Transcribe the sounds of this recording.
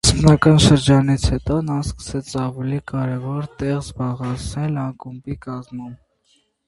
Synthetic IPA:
spnɑkɑnʃəɾd͡ʒɑnit͡sʰhɛt̪ɔnɑskə̥sɛt͡sʰɑvulikɑɾɛvɔɾt̪ɛʁzbɑʁɛt͡sʰnɛlɑŋkumbikɑzmum

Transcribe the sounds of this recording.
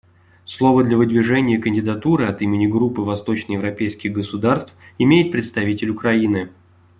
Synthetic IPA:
slˠo̞vəd̪lʲəvɨd̪vʲɪʐɛnʲɪjəkənʲdʲɪd̪ɐt̪uɾɨɐt̪imʲɪnʲɪɡɾupːɨvɐst̪o̞t͡ɕnəjɪvɾɐpʲejskʲɪɣɡəsʊd̪arst̪fɪmʲejɪt̪̚pɾʲɪt̪st̪ɐvʲitʲɪlʲʊkɾɐinɨ

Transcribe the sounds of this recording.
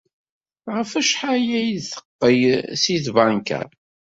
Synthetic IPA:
ʁəfæʃħajæjðθə̥qːəjsiθvɑŋkæ̰ɾ

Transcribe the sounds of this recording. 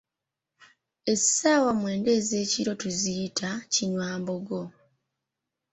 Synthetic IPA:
e̞saːwamwe̞ːnde̞ːze̞ːciɾo̞tuziitʰaciɲwaːmbo̞ɡo̞

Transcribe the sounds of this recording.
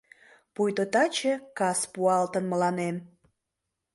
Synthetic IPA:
pujt̪ot̪ɑt͡ɕekɑspuɑlt̪ənməlɑnem

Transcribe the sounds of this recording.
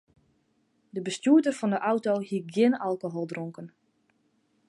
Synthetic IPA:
dəbəstjuətərfɔndəʔawtohiɡjɪnalˠkoɦolˠdroŋkən

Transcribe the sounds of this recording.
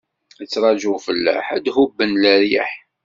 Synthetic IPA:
ət͡sːɾˤɑd͡ʒʊfəlːæ̰ħæd̪hubːənlæɾjæ̰ħ

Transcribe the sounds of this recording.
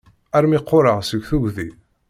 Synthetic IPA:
æɾmɪqːʊɾˤəʁsəɡθuɡði

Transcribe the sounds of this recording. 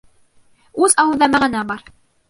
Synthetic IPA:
ʉzɑwɤ̆lˠðɑmæʁɘ̆næbɑɾ

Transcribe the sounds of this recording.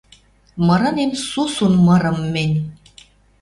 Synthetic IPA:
mɤ̆ɾɤ̆nemsusunmɤ̆ɾɤ̆mːenʲ

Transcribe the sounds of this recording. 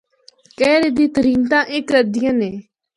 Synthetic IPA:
kɛːɾed̪iːt̪əɾiːnt̪ãːʔɪkɾəd̪ɪjə̃neː

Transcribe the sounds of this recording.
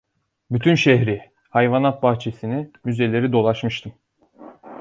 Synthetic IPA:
byt̪ʰynʃɛɦɾi | hajvanat̪̚baht͡ʃʰe̞sinimyze̞lʲe̞ɾid̪o̞lˠaʃmɯʃt̪ʰɯm

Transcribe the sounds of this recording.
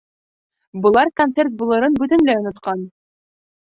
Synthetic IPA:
bɤ̆lˠɑɾkɐnt̪sert̪̚bulˠɤ̆ɾɤnbʉt̪ɘnlæŏnŏt̪qɑn

